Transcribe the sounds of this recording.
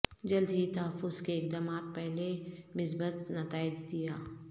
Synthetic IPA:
d͡ʒɐld̪ɦit̪ɐɦəfːʊzkeːk̚d̪aːmaːt̪̚pɛɦlemɪsbət̪nɐt̪aːɪd͡ʒd̪ijaː

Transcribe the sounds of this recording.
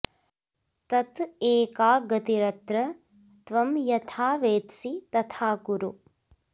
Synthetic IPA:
t̪ɐt̪eːkaːɡɐt̪iɾɐt̪ɾɐ | t̪ʋɐmjɐt̪ʰaːʋeːt̪sit̪ɐt̪ʰaːkuɾu

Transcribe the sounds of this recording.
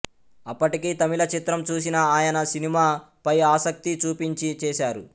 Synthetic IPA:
ɐpːɐʈikiːt̪ɐmilɐt͡ʃit̪ɾɐmt͡ʃuːs̬inɐaːjɐnɐsinimaː | pɐjaːsɐk̚t̪it͡ʃuːpiɲt͡ʃit͡ʃɛːʃaːɾu

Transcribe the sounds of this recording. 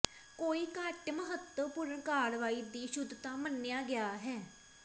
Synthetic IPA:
koːiːkəʈməɦət̪ːəpʊɾəɳkaːɽʋaːiːd̪iːʃʊd̪t̪ãːmənːejaːɡɪjaːɦɛː

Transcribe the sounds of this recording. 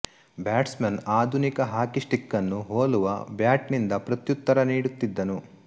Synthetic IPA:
bjaːʈsmɐnaːd̪ʱunikɐɦaːkisʈikːɐnːuɦoːluʋɐ̰bjaːʈnind̪ɐpɾɐt̪jut̪ːɐɾɐniːɽut̪ːid̪ːɐnu

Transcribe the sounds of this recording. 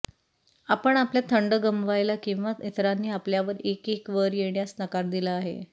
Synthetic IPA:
apəɳapljat̪ʰəɳɖəɡəmʋajlakĩw̃ʋait̪ɾanːiːapljaʋəɾekekʋəɾjeɳjasnəkaɾd̪ilaːɦḛ

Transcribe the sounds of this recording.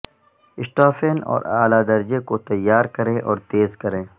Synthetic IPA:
ɪsʈaːfeːnɔ̰ːɾaːlad̪ɐɾd͡ʒekot̪ɐjːaːɾkɐɾẽʔɔ̰ːɾt̪eːzkɐɾẽː

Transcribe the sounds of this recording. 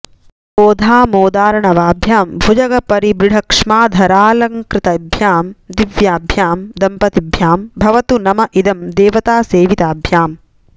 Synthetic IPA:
boːd̪ʱaːmoːd̪aːɾɐɳɐʋaːbʱjaːmbʱud͡ʒɐɡɐpɐɾibɾɪɖʱɐkʂmaːd̪ʱɐɾaːlɐŋkɾɪt̪ɐbʱjaːmd̪iʋjaːbʱjaːmd̪ɐmpɐt̪ibʱjaːmbʱɐʋɐt̪unɐmɐʔid̪ɐmd̪eːʋɐt̪aːseːʋit̪aːbʱjaːm

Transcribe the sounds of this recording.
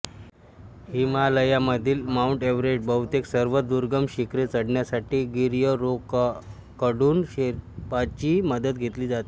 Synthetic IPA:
himaləjaməd̪ʱiːlmauɳʈeʋɾeʈ̚bəwt̪eksəɾʋəd̪uɾɡəmɕikɾet͡səɽɳjasaʈiːɡiɾjəɾok | kəɽuːnɕeɾpat͡ɕiːməd̪ət̪̚ɡʱet̪liːd͡zat̪e̥

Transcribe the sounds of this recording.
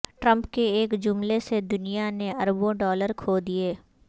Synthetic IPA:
ʈɾə̃mpkeeːkd͡ʒʊmlesed̪ʊnijaneɐɾbõɖɔːləɾkʰoːd̪ieː

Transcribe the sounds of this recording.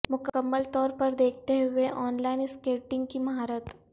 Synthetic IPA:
mʊkəmːəlt̪ɔːɾpɐɾd̪eːkʰt̪eɦʊeʔɔːnlaːɪnskeːʈɪ̃ŋɡkimɐɦaːɾət̪

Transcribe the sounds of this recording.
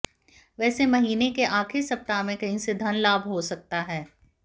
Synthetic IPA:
ʋɛːsemɐɦiːnekeʔaːkʰɪsɐp̚t̪amẽkɐɦĩsed̪ʱɐnlaːbʱɦosɐk̚t̪aɦɛː

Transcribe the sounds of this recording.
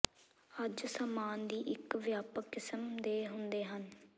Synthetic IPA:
əd͡ʒsaːmaːnd̪iːʔɪkʋjaːpəkːɪsəmd̪eːɦʊnd̪eːɦən

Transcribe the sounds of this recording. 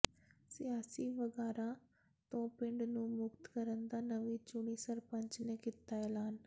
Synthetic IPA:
sɪjaːsiːʋəɡaːɾaː | t̪õːpɪ̃ɳɖnũːmʊkt̪kəɾənd̪aːnəʋiːt͡ʃʊɳiːsəɾpə̃ɲt͡ʃneːkɪt̪ːaːɛːlaːn

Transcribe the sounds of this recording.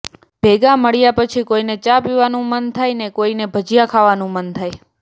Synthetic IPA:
b̥ʱeɡaməɭjapət͡ʃʰikoinet͡ʃapiʋanũmənt̪ʰajnekoinebʱəd͡ʒijakʰaʋanũmənt̪ʰaj

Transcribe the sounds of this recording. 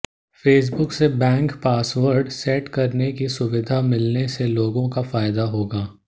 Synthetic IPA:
feːs̬bʊksebɛ̃ːŋkpaːsʋəɾɖsɛʈkɐɾnekisʊʋɪd̪ʱamɪlneseloːɡõkafaːjɪd̪aɦoːɡaː

